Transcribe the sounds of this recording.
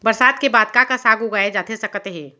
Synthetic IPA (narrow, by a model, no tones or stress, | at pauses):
bəɾsaːd̪kebaːd̪̚kakasaːɡuɡaed͡ʒaːt̪ʰesɐkt̪eɦɛ̃ː